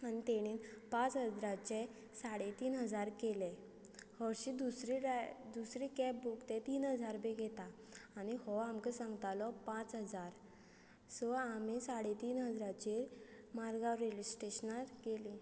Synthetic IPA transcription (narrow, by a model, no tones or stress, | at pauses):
añit̪eɽ̃iːnpãt͡sɦəd͡zɾat͡ɕe | saɽet̪iːnɦəd͡zaɾkele | həɾɕid̪usɾiɾd̪usɾikɛp̚bukt̪ẽt̪iːnɦəd͡zaɾbeɡʱet̪aː | ñihɔamkəsãŋɡt̪alɔpãt͡sɦəd͡zaɾ | sɔamisaɽet̪iːnɦəd͡zɾat͡ɕeɾ | maɾɡaʋɾelisʈeɕnaɾkeli